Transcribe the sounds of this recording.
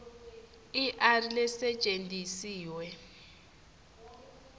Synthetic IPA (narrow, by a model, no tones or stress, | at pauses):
iʔarilɛsɛt͡ʃʼentʼisiːwɛ